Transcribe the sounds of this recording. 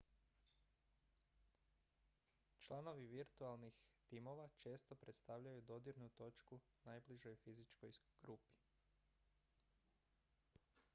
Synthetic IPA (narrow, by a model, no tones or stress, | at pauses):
t͡ʃlˠano̞ʋiʋiɾt̪ualˠnixt̪imo̞ʋat͡ʃe̞ːst̪o̞pɾet̪st̪aʋʎajud̪o̞d̪iɾnut̪o̞t͡ʃku | najbliʒojfizit͡ʃko̞jɡ̥ɾupi̥